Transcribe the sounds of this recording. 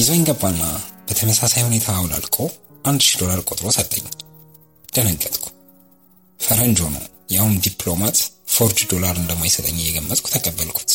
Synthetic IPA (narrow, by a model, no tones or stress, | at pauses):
ʔɪzoɪŋɡəbːanːab̥ət̪ʰəməsasajhune̞t̪ʰawla̰lkʰʼoʔand̪ʃid̪o̞laɾkʼot̪ʼɾo̞sət̪ʼːəɲː | d̥̪ənəɡːət̪ʼkʷʰu̥ | fəɾəɲd͡ʒhonə̰w | jahund̪iplo̞mat̪fo̞ɾd͡ʒd̪o̞laɾɨnd̪əmːajsət̪ʼə̰ɲːjːɛɡəmːət̪ʼkʰu̥t̪ʰəkʼəbːəlkʰu̥t̪